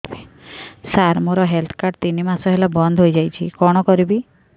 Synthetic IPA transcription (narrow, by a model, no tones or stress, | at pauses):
bi | saɾmoɾɔɦelt̪ʰɔ̥kaɾt̪inimasɔɦelabɔnd̪ʱɦojd͡ʒajt͡ʃʰikɔɽ̃ɔkɔɾibi